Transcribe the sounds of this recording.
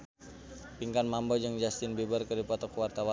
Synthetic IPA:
piŋkanmambɔd͡ʒəŋd͡ʒast̪ɪnbebərkədipɔt̪ɔkwart̪awa

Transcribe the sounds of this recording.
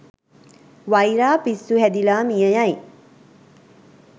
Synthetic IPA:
ʋajɾaːpisːuɦæd̪ilaːmijəjaj

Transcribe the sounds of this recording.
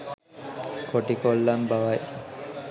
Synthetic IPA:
koʈikolːambaʋaj

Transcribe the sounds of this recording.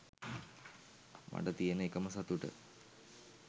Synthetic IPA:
mɐ̰ɖɐt̪ijenəekɐmɐsɐt̪uʈə̰

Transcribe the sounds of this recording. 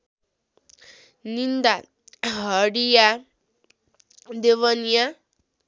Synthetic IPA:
nind̪a | ɦʌɽija | d̪ewʌnija

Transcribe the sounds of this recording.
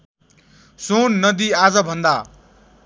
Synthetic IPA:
sonːʌd̪iad͡zʌbʱʌnd̪a

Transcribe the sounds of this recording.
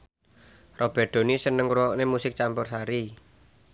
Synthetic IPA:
rob̥ɛ̤ɖ̪̥o̤nisənəŋɾuwɔʔnemusɪk̚t͡ʃampʊrsaɾi

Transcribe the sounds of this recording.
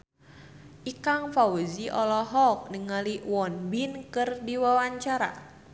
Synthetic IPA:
ʔikaŋfawuziʔɔlɔɦɔk̚nəŋaliwɔnbinkɨrdiwawaɲt͡ʃaɾa̰

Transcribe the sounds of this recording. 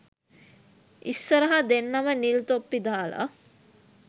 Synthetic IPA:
isːəɾɐɦad̪enːamənilt̪opːid̪aːla̰

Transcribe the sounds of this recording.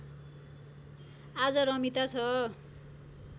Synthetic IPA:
ad͡zʌɾʌmit̪at͡sʰʌ

